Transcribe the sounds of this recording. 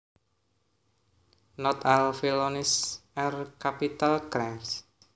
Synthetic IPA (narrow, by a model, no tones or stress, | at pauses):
nɔt̪alfilonisɛrkapit̪alkɾɛms